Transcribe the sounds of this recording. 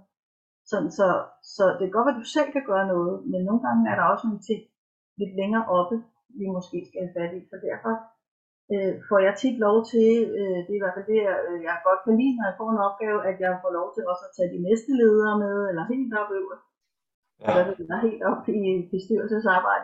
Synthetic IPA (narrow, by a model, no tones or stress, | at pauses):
sɒ̽nn̩sɒ̽sɒ̽d̥e̝ɡ̥ɒd̥ʋæd̥usel̰kʰæɡ̥ɶːɐnɔ̽ːð̞̩ˠmenːo̝ːn̩ɡ̥ɑ̈ŋəæɐɾɑ̈ɒ̽sno̝nt͡sʰe̝ŋ̰ | le̝d̥leŋɐːʔɒ̽b̥ə | ʋimɔ̽sɡ̥e̝̰ːsɡ̥æhæfæd̥isɒ̽d̥æɐ̰fɒ̽ | øfɒ̰jɑ̈ɪt͡sʰid̥lɒʊt͡sʰe̝lød̥e̝ʋɑʋeld̥e̝jɑ̈ɡ̥ɒ̽d̥fɒlḭːneɑfɒ̰ːe̝nɒ̽b̥̚ɡ̥ɛːʊæd̥jɑ̈ɪfɒ̰lɒʊt͡sʰe̝lɒ̽səæt͡sʰɛ̰ːd̥inesd̥əle̝ːð̞ˠɐːmeðˠelɐɦe̝̰ːld̥ɒ̽b̥øʊ̰ɐ | ʔɒd̥æʋed̥ed̥ɑɦe̝̰ːld̥ɒ̽b̥ib̥e̝sd̥yɐ̰l̩səs̬ɑ̈ːb̥ɑ̈ɪ̰d̥ə